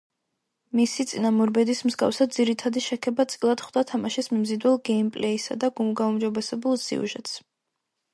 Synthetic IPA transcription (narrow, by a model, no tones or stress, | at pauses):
misit̪sʼinamuɾbɛd̪ismzɡa̰fsad̪d̪ziɾit̪ʰad̪iʃɛkʰɛbat̪sʼilˠad̪̥χd̪at̪ʰamaʃismimzid̪wɛlˠɡɛimpʼlɛisa̰d̪aɡumɡaumd͡ʒɔbɛsɛbulˠsḭṵʒɛt̪s